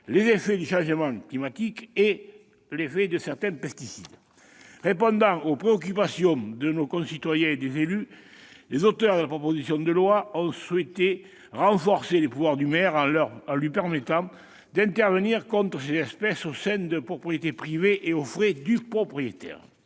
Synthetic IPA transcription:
lezefed̪yʃɑ̃ʒəmɑ̃ŋklimat̪ike | lefed̪əsɛʁt̪ɛ̃mpɛst̪isid̪ | ʁepɔ̃nd̪ɑ̃opχeɔk̬yp̬asjɔ̃d̪ənokɔ̃sit̪wajɛ̃ed̪ezely | lezot̪œʁd̪əlapχɔpozisjɔ̃d̪əlwaɔ̃swet̪e | ʁɑ̃fɔʁselepuvwaʁd̪ymɛʁɑ̃lœʁɑ̃lɥipɛʁmet̪ɑ̃ | d̪ɛ̃nt̪ɛʁvəniʁkɔ̃nt̪χəsezɛspɛsosɛ̃d̪əpχɔpχijet̪epχiveʔeofʁed̪ypχɔpχijet̪ɛ̰ʁ

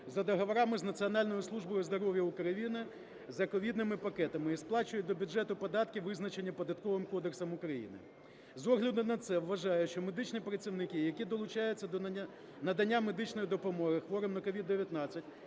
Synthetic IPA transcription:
zɐd̪ɔɦɔʋɔɾɑmɪznɐt͡sʲiɔnɑlʲnɔjʊslˠuʒbɔjʊzd̪ɔɾɔʋʲjɐukɾɐjinɪ | zɐkɔʋʲid̪nɪmɪpɐkɛt̪ɐmɪisplˠɑt͡ʃʊjʊt̚ʲd̪ɔbʲʊd͡ʒɛt̪ʊpɔd̪ɑt̪̚kʲɪʋɪznɐt͡ʃenʲːipɔd̪ɐt̪kɔʋɪmkɔd̪eksɐmʊkɾɐjḭnɪ̰ | zɔɦlʲɐd̪ʊnɐt̪sɛʋːɐʒɑjʊʃt͡ʃɔmed̪ɪt͡ʃnipɾɐt͡sʲiwnɪkʲijɐkʲid̪ɔlˠʊt͡ʃɑjʊt͡sʲːɐd̪ʲ | nɐd̪ɐnʲːamed̪ɪt͡ʃnɔjid̪ɔpɔmɔɦɪxʋɔɾɪmnɐkɔʋʲid̪ːeʋʲjɐt̪nɑt͡sʲːɐtʲ

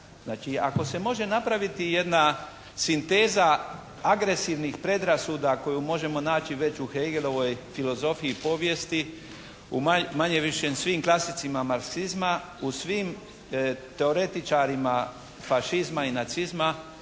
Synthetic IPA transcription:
znaːt͡ʃia̰ko̞se̞mo̞ʒe̞napɾaʋit̪ije̞d̪na | sint̪e̞ːza | aɡɾe̞siʋnixpɾe̞d̪ɾasuːd̪ako̞jumo̞ʒe̞mo̞naːt͡ɕiʋe̞t͡ɕuxejɡelo̞ʋo̞jfilo̞zo̞fiipo̞ːʋje̞st̪i | ṵmamaɲeʋiʃensʋiːmklˠasit̪simamaɾksizma | usʋiːm | t̪e̞o̞ɾe̞t̪it͡ʃaɾima | faʃizmainat̪sizma

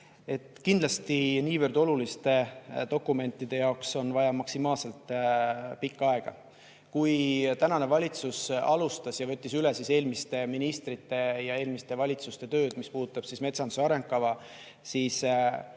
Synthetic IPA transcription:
e̞t̪ːˑkind̪lɑst̪iniːvərd̪o̞lulist̪e̞t̪o̞kːˑume̞nʲt̪ˑːid̪̥e̞jɑokso̞nvɑjɑmɑksimɑːlse̞lt̪ˑ | pikːɑe̞ɡ̥ɑ̰ | kujt̪ænɑne̞vɑlʲit̪susɑlust̪ɑsjɑvɤ̞t̪ʲːisylesise̞ːlmist̪e̞minist̪ɾit̪ːˑe̞jɑe̞ːlmist̪e̞vɑlʲit̪sust̪e̞t̪ø̞ːd̪̥mispuːd̪ut̪ːˑɑb̥sisme̞t̪sɑnd̪u̥sɑɾe̞ŋkkːɑvɑ | siːs

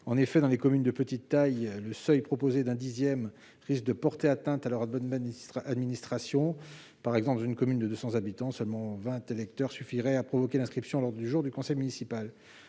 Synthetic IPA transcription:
ɑ̃nefɛd̪ɑ̃lekɔmynd̪əpət̪it̪ːajləsœjpχɔpozed̪ɛ̃d̪izjɛm | ʁisk̚d̪əpɔʁt̪eat̪ɛ̃t̪alœʁa | ad̪minist̪χasjɔ̃ | paʁɛɡzɑ̃pld̪ɑ̃zynkɔmynd̪əd̪øsɑ̃zabit̪ɑ̃sœlmɑ̃vɛ̃t̪elɛk̚t̪œʁsyfiʁɛapχɔvɔkʲelɛ̃skχipsjɔ̃alɔʁd̪ʁəd̪yʒuʁd̪ykɔ̃sɛjmynisipal

